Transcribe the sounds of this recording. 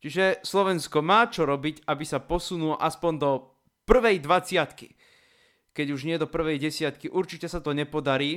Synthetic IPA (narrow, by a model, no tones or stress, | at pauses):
t͡ʃiʒɛslɔʋɛnskɔmaːt͡ʃɔɾɔbicabisapɔsunulɔʔaspɔnd̪ɔ | pr̩ʋɛjd̪ʋat͡sɪat̪kḭ | kɛɟuʒɲɪɛd̪ɔpr̩ʋɛjɟɛsɪat̪kiʔuɾt͡ʃicɛsat̪ɔɲɛpɔd̪aɾiː